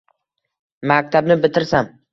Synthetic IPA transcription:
mak̚ʲt̪ʰabnɪbɪt̪ʰɪɾsam

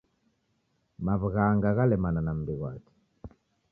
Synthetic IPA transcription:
maβɣaŋɡaɣalɛmananam̩biɣwa̰ti̥

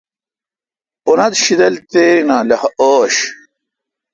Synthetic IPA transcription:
onɐt̪ɕid̪ɐlt̪eːɾinãːlɐhɐʔoːɕ

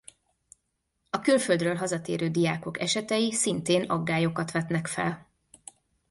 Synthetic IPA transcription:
ɒkylføld̪røːlɦɒzɒt̪ḛːɾøːd̪ijaːko̞kɛʃɛt̪ɛjisint̪eːnɒ̰ɡːaːjo̞kɒt̪ʋɛt̪nɛkfɛ̰l

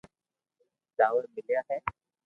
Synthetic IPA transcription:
d͡zaʋəɾmɪljaɦɛː

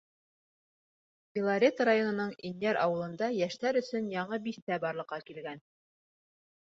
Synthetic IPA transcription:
fʲɪlˠaɾʲet̪ɾajo̞nɤ̆nɤɴinjæɾɑwɤ̆lˠɤ̆nd̪ɑjæʃt̪æɾɵ̆sɵnjɑɴɤbiθt̪æbɑɾlˠɤ̆qːɑkilɡæn

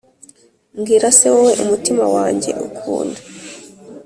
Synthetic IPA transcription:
mɡiːɾasewowe̞ʔumutimawaːɲɟe̞̰ʔukʰṵːnda

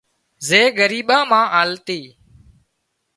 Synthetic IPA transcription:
zeːɡəɾiːɓãːmãːʔaːlt̪iː

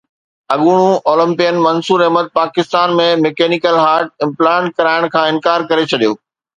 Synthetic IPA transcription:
ɐɠuːɽ̃ũʔoːlə̃mpɪjənmɐnsuːɾɐɦmət̪̚paːkɪst̪aːnmẽmekeːnikəlɦaːɾʈ̚ɪ̃mplaːɳʈ̚kɐɾaːɪɽ̃kʰãːɪ̃nkaːɾkɐɾet͡ɕʰɐɗijo̰ː

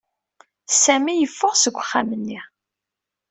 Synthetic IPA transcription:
sæmijəfːʊʁsəɡʷəχːamənːi

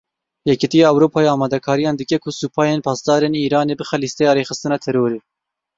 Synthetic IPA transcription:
jɛkit̪ijɑːɛwɾoːpʰɑːeɑːmɑːd̪ɛkʰɑːɾijɑːnd̪ɨkɛkʰʊsuːpʰɑːjeːnpʰɑːsd̪ɑːɾeːniːɾɑːneːbɨxɛlist̪ɛjɑːɾeːxɨst̪ɨnɑːt̪ʰɛɾoːɾeː

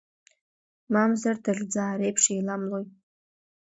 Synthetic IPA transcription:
mamzardɨɮʲd͡zaːɾejpʰʂejlamloj

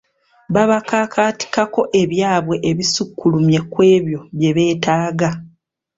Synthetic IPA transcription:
βaβakaːkʰaːti̥kako̞ʔe̞βjaːβwe̞ʔːβisukːulumje̞kwe̞ːβjo̞βje̞βe̞ːtaːɡa

